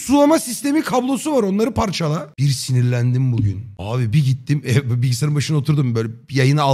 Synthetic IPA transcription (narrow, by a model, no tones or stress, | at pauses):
sulˠamasist̪ʰe̞mikʰablˠo̞suvaɾo̞nlˠaɾɯpʰaɾt͡ʃʰalˠab̥iɾsiniɾlʲænd̪imbuɟy̰naːβibiɟit̪ʰːimɛbbilʲɟʲisaɾɯmbaʃɯnao̞t̪ʰuɾd̪umbøːlʲɛjajɯnaa